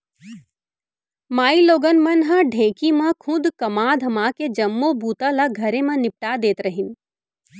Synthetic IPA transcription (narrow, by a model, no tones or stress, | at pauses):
maːiloːɡənmɐnɦãɖʱẽːkimãkʰʊ̃d̪kɐmaːd̪ʱɐmaːked͡ʒɐmːobuːt̪ãlaɡʱɐɾẽmɐ̃nɪp̚ʈaːd̪eːt̪ɾɐɦɪn